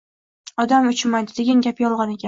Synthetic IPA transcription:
ɒd̪amʊt͡ʃʰmajd̪ɪd̪e̞ɡʲanɡʲapjɒlˠʁɑnekʲa

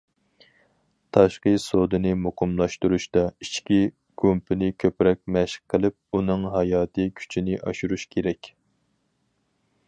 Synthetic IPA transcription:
t̪ʰɑʃqəsod̪ɨnɨmuqʰʊmlˠɑʃt̪uɾuʃt̪ɑit͡ʃkʲi | ɡ̥umpʰɪnɪkʲʰøpɾɛk̚ʲmɛʃə̥qʰːəlˠɨp̚unɨŋɦɑjɑːt̪ʰɨkʲʰy̥t͡ʃʰinɪʔɑʃuɾuʃkʲʰeɾɛkʲ

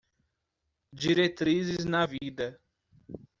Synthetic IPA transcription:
d͡ʒiɾet̪ɾizɪznɐvid̪ɐ

